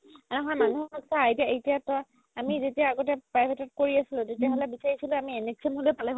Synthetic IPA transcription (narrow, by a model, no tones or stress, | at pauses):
anɛɦɔmanuɦɔksaaitiaejtijatɔ | amizetiaːɡɔtɛpɹajbʱetɔt̚koɹiasilʊ̃tetiaɦɔlɛbisaɹisilʊ̃amieneksiemɦolojpalɛɦ